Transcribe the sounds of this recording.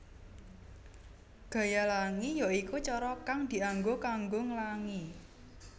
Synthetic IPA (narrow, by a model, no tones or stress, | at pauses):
ɡ̥a̤jalaŋijaikut͡ʃɔɾɔkaŋd̪̥i̤aŋɡokaŋɡoŋəlaŋi